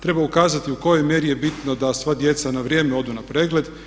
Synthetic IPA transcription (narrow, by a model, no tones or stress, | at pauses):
t̪ɾe̞baukaːzat̪iuko̞jo̞jmje̞ɾije̞bit̪nod̪asʋad̪je̞t̪sanaʋɾjeːmeo̞d̪unapɾeːɡle̞d̪